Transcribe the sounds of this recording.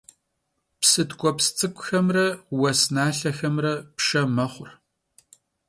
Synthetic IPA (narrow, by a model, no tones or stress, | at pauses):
psɨtkʷʼɔpst͡sʼɨkʷʼʊxɐmrɐwɐsnaːɬɐxɐmrɐpʂɐmɐχʷʊr